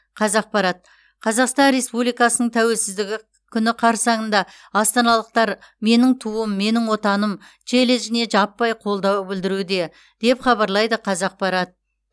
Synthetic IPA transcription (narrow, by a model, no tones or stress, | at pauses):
qʰɑzɑq̚pɑɾɑt̪̚ | qʰɑzɑqst̪ɑnɾe̞spublijkɑsənəɴt̪ʰæwe̞lsɪzd̪ɪɡʲɪ | kʲʰʏnɪqʰɑɾsɑɴənd̪ɑ | ɑst̪ɑnɑlˠəq̚t̪ɑɾ | me̞nɪŋt̪ʰuəmːe̞nɪŋwo̞t̪ɑnəm | ʒʰe̞leʒɪne̞ʒɑpːɑjqʰo̞lˠd̪ɑwbɪld̪ɪɾud̪e̞ | d̪̥e̞pχɑbɑɾlˠɑjd̪əqʰɑzɑq̚pɑɾɑt̪̚